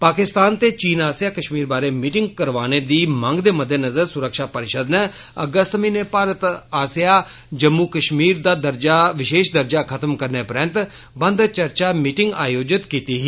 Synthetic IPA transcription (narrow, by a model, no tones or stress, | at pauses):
paːkɪst̪aːnt̪eːt͡ʃiːnaːsijaːkəʃmiːɾbaːɾeːmiːʈɪŋɡkəɾʋaːneːd̪iːmə̃ŋɡd̪eːməd̪ʱenəzəɾsʊɾəkʃaːpəɾɪʃəd̪neː | ə̰ɡəst̪mĩːneːpaːɾət̪aːsijaːd͡ʒəmːuːkəʃmiːɾd̪aːd̪əɾd͡ʒaːʋɪʃeːʃd̪əɾd͡ʒaːkʰət̪əmkəɾneːpəɾə̃nt̪ | bənd̪t͡ʃəɾt͡ʃaːmiːʈɪ̃ŋɡaːjoːd͡ʒɪt̪kiːt̪iːɦiː